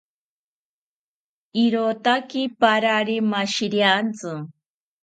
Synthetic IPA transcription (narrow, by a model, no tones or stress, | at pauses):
iɾot̪akipaɾaɾimaʃiɾjant͡sɨ